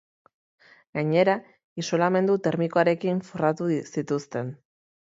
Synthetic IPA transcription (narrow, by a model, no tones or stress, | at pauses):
ɡ̥aɲe̞ɾa | iso̞lame̞nd̪ut̪e̞ɾmikoaɾe̞kiɱforat̪usit̪ust̪e̞n